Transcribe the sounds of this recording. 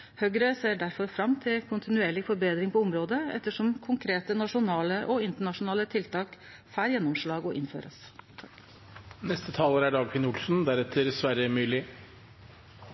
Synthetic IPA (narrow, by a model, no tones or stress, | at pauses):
hœɡɾəseːɖæɾfɔɾfɾɑmːt̪ʰɪlkʰʊnt̪ʰɪnʉeːɭɪfɔɾbeːd̪ɾɪŋpɔʊmɾoːd̪əɛ̰t̪ːəʂɔmkʰʊŋkʰɾeːt̪ənɑʂʊnɑːləʔɔɪnt̪əɳɑʂʊnɑːlət̪ʰɪlt̪ʰɑːk | fæːɾjɛnːɔmʂɭɑːɡɔʔɪnfø̰ːɾə̰sʰ | nɛst̪ət̪ʰɑːləɾæɖɑːɡpʰɪnʊlsn̩d̪æɾɛt̪ʰːəɾsʋæɾəmyːlɪ